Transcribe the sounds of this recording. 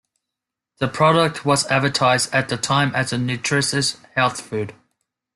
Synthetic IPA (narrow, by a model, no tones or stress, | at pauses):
ðəpʰɹ̥ɒɾək̚tʰwɒzædvətʰaɪzdət̪̚ðətʰãɪ̃mʔəzənjʉt͡ʃʰɹ̥ɪsəshɛlˠθfʉːd̥